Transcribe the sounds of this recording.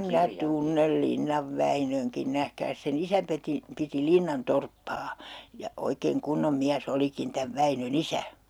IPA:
minæ tunːel linːɑʋ ʋæinøŋkin næhkæːs sen isæ peti piti linːɑn torpːɑː jɑ oikeːŋ kunːom miæsː olikin tæʋ ʋæinøn isæ

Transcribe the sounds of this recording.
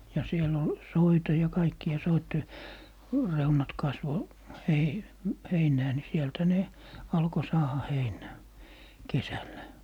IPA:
jɑ siel ol soitɑ jɑ kɑikːiɑ soitːe reunɑt kɑsʋo hei heinæː ni sielthæ ne ɑlko sɑːhɑ heinæː kesælːæ

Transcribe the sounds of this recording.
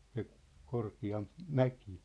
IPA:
se korkiɑmp mæki̥

